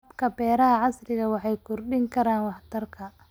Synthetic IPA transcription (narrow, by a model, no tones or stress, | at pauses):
bkʰɐbɛːɾɐɦɐʕɑsrɪɣɐwɑħɑjkʰʊrɖɪŋkʰɐɾaːnwɑħt̪ʰɐrkʰɐ